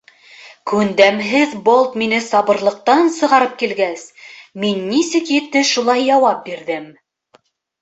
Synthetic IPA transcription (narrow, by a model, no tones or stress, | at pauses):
kʉnd̪æmɦɘðbolˠt̪minɘsɑβɤ̆ɾlˠɤ̆q̚t̪ɑnsɤ̆ʁɑɾɤp̚kilɡæsminːisɘkjɘ̆t̪ːɘʃulˠɑjːɑwɑp̚biɾðɘm